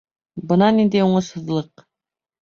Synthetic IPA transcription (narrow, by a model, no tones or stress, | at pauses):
bɤ̆nɑnind̪æjuɴɤ̆shɤ̆ðlˠɤq